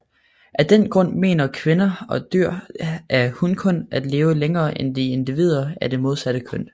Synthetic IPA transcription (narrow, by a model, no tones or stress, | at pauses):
ʔæd̥en̰ɡ̥ʁɔ̽n̰me̝̰ːnɐkʰʋe̝nɐɒ̽d̥yɐ̰ʔæɐhunkʰɔ̽næd̥le̝ːʊəleŋɐːʔend̥ie̝nd̥iʋið̞̰ˠɐæɐd̥e̝mo̝ð̞ˠsæd̥əkʰøn